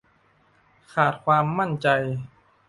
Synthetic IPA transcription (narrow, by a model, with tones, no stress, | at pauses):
kʰaː˨˩t̪̚kʰwaː˧mːa˥˩nt͡ɕa˧j